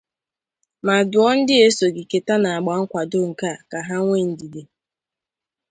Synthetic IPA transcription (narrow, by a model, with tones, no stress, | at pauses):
ma˨dʊ˨˦ɔ˦n̩˦dɪ˦e˦so˨ɡi˨ke˨ta˦na˨a˨ɡ͡ba˨˦ŋ̩˦kʷa˨do˦ŋ̩˨ka˦˨ka˨ɦa˦ŋʷe˦˨n̩˨di˨de˨